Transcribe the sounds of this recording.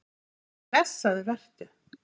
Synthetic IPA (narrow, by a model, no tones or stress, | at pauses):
lɛsːaðɪvɛr̥t̪ʏ